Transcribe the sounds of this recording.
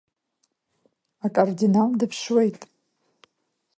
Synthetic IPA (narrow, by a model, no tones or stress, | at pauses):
akʼordinamdɨpʰʂwe̞jtʼ